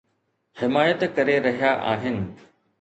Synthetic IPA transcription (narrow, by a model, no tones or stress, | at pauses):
hɪmaːjət̪kɐɾeɾɐɦijaʔa̰ːɦɪnɪ̆